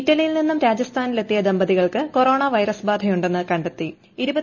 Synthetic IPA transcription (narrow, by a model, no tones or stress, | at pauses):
iʈːɐlijilninːumɾaːd͡ʑɐst̪ʰaːnile̞t̪ːijɐd̪ɐmbɐðiɣɐɭkɨko̞ro̞ːɳɐʋɐjɾɐsbaːd̪ʱɐjuɳɖe̞nːɨkɐɳɖet̪ːi | iɾubɐ